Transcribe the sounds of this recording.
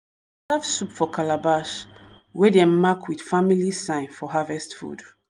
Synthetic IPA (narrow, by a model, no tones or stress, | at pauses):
safsupfɔkʰalabaʃ | wedemakʰwid̥familisãɪ̃nfɔɦavɛstfṵd